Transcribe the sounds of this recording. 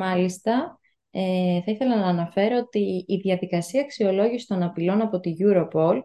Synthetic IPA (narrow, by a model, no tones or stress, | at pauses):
ɐlist̪ɐ | eθɐiθe̞lɐnɐːnɐfe̞ɾoot̪iːðʝɐðikɐsiɐːksio̞lo̞ʝisi̥t̪o̞nɐpilo̞nɐpo̞t̪iʝuɾo̞po̞l